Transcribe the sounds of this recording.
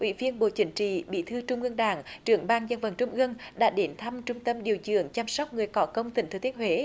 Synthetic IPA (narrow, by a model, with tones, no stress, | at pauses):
ʔwḭ˧˥vi˧ənɓo̰˧˨t͡ɕï˨˦ŋ̟t͡ɕḭ˧˨ɓḭ˧˩t̪ʰɨ˧t͡ɕʊ˧ŋ͡mʔɨ˧əŋɗaː˧˩ŋt͡ɕɨ˨˧˩əŋɓaː˧ŋzə˧nvə˨˧˩nt͡ɕʊ˧ŋ͡mʔɨ˧ənɗa̰ː˧˥ɗe˨˦nt̪ʰa˧mt͡ɕʊ˧ŋ͡mt̪ə˧mɗi˨˩əwzɨ̰˧˨əŋt͡ɕa˧msɔ˦˥wk͡p̚ŋɨ˨˩əjkɔ˨˦kə˧wŋ͡mt̪ï˨˩ŋ̟t̪ɨ˨˧˩t̪i˦˥thwe˨˦